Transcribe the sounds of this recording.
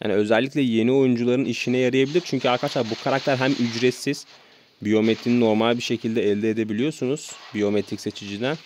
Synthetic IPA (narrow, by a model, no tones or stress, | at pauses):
ja̰ːniø̞zɛlʲːiclʲɛje̞nio̞jund͡ʒulˠaɾɯniʃinɛjaɾɯjabilʲiɾt͡ʃʰyɲcʰyaɾkʰad̪t͡ʃlˠaɾbukʰaɾak̚t̪ʰæɾɦæmʔyd͡ʒɾesiz̥ | bijo̞me̞t̪ʰɾininːo̞ɾmalʲbiɾʃe̞cʰilʲd̪ɛɛlʲd̪ɛːd̪e̞bilʲijo̞sunuz̥bijo̞met̪ʰɾicse̞t͡ʃʰid͡ʒid̪ɛn